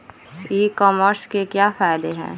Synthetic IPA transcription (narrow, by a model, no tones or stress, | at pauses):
ekɔːməɾskekjaːfaːɪd̪eɦɛ̰̃ː